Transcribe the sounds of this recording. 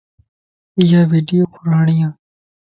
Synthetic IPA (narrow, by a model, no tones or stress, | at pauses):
ɪjaːʋiːɖijoːpʊɾaːɳɪjãː